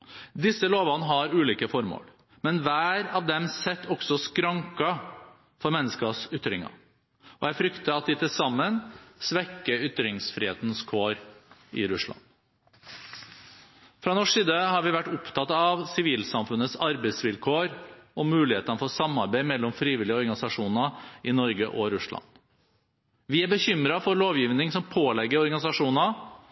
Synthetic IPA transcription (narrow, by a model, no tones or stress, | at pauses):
d̪ɪsəloːʋɑnəɦɑɾʉːliːkəfɔɾmo̰ːɽ | mɛnʋæːɾɑʋd̪ɛmsɛt̪ʰːɔɡ̥sɔskɾɑŋkɑ | fɔɾmɛnːəskɑsʏt̪ːɾɪŋɑ̰ | ɔjæɪfɾʏkt̪əɑt̪̚d̪ɪt̪ʰɪlsɑmːənsʋɛkːəʏt̪ɾɪŋsfɾɪːhḛːt̪n̩skʰoːɾɪ̰ɾʉsɭɑ̰n | fɾɑnɔʂsiːd̪əhɑɾʋɪʋæʈːʊpt̪ʰɑt̪ɑɑʋsɪʋiːlsɑmfʉnːət̪sɑɾbɛɪsʋɪlkʰoːɾɔmʉːlɪheːt̪ənəfɔsɑmɑɾbæɪmɛlːɔmfɾiːʋɪlɪəɔɾɡɑnɪsɑʂuːnɑɪnɔɾɡəʔɔɾʉʂlɑ̰n | ʋɪæɾbəçʏmɾɑfɔɾɭoːʋjiːʋnɪŋsɔmpʰoːlɛɡːəɾɔɾɡɑnɪsɑʂuːnɑ